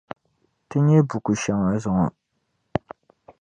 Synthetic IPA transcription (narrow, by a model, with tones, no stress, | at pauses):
tɨ˦ɲɛ˦bu˨ku˨ʃɛ˨ŋa˦˨zʊ˨ŋɔ˨